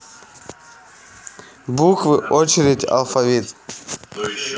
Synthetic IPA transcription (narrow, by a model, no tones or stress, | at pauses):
bukvɨʔot͡ʃɪɾʲɪdʲa̰lˠfavʲit̪